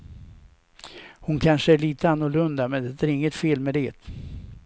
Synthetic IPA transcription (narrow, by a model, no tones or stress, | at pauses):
hʊnkʰanʂəæɭiːt̪əanːʊɭɵnd̪amɛnd̪ɛt̪ʰæɾɪŋːət̪feːlmɛd̪eːt̪